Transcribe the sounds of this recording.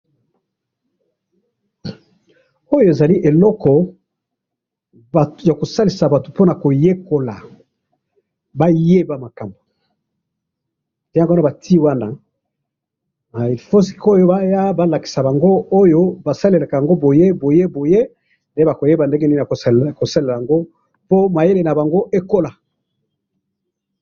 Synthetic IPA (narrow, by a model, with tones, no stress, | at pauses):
o˦jo˦e˨za˨li˦ʔe˨lɔ˦kɔ˨ | ba˨tja˨ko˨sa˦li˨sa˨ba˨to˨po˦na˨ko˨je˦ko˨la˨ | ba˦je˦ba˨ma˨ka˨mbo˨ | e˦ɡa˦ba˨ti˦wa˦na˦ | ma˨fo˦si̥˨ko˦jo˦ba˦ja˦ba˦la˨ki˨sa˨ba˨ŋɡo˦o˦jo˦ba˨sa˦le˨la˨ka˨ja˨ŋɡo˦bo˨je˦bo˨je˦bo˨je˦ | nde˦ba˨ko˨je˦ba˨nde˦ŋɡe˦ni˦n˨a˨ko˨sa˦le˨la˨a˨ŋɡo˦ | po˦ma˨je˦le˨na˨ba˨ŋɡo˦ʔe˦ko˦la˨